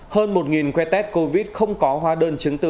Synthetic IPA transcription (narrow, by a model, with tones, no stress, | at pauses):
həː˧nmo˨˩t̚ŋi˨˩nkwɛ˧t̪ɛ˦˥t̚ko˧vi˦˥t̚xə˧wŋ͡mkɔ˨˦ɦwaː˨˦ɗəː˧nt͡ɕɨ˨˦ŋt̪ɨ˨˧˩